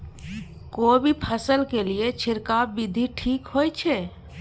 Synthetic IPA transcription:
kobʱipʰəsəlkeliet͡ʃʰiɾkabid̪ʱiʈʰikɦojt͡ʃʰɛ

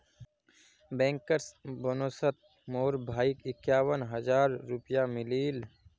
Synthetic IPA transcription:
bɛ̃ːŋkəɾsbənoːsət̪̚ | moːɾbʱaːikɪkjaːwənɦəzaːɾːʊpjamɪliːl

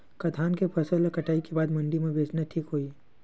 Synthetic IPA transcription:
kɐt̪ʰaːnkepʰɐsəlekɐʈaːikebaːd̪mɐ̃ɳɖimẽbeːt͡ʃnaʈʰiːkɦoːi

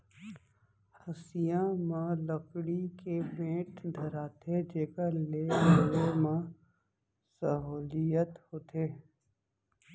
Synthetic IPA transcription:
həsijãmãləkɽikebẽːʈd̪ʱəɾaːt̪ʰed͡ʒeːkalelemã | səɦuːlijət̪hoːt̪ʰeː

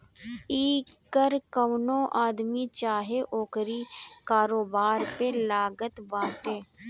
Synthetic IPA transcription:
iːkəɾkənõːʔaːd̪miːt͡ʃaːɦeʔoːkɾiːkaːɾoːbaːɾpelaːɡət̪bãːʈ̪eː

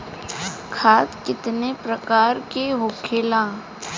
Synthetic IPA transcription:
kʰaːskɪt̪nepɾɐkaːɾkeɦʊkʰeːlãː

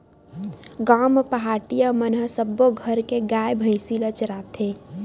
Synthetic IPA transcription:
ɡampəɦaʈijamənɦəsəbːoɡʱəɾkeɡajbʱə̃ɪ̃silət͡ʃəɾat̪ʰe

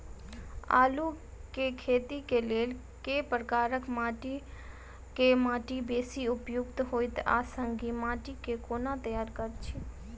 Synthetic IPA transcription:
a̰ːluː | keːkʰeːt̪ikeleːl | keːpɾkaːɾəkmaːʈi | kemãːʈibeːsiʊpjʊɡt̪ɦoːɪt̪a̰ːsəŋɡimaːʈikekoːnat̪əjaːɾkəɾt͡ʃʰi

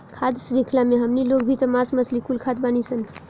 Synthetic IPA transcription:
kʰad̪sɾikʰlameɦəmnilokbʱit̪əmasməsʰlikulkʰad̪banisən

